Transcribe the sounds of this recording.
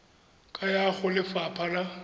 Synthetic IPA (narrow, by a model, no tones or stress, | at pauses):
kʼajaɣʊlɪfapʰala